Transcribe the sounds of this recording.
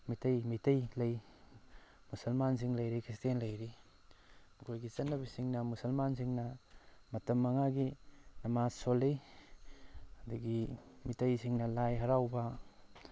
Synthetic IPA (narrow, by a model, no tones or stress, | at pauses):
mitɐjmitɐjlɐj | musɐlmans̬iŋlɐjɾikʰɾistenlɐjɾi | mɐkʰojɡit͡ʃɐnːɐbisiŋnɐmusɐlmansiŋnɐmɐtɐmːɐŋaɡinɐmasolːij | ɐduɡimitɐjsiŋnɐlajɦɐɾawbɐ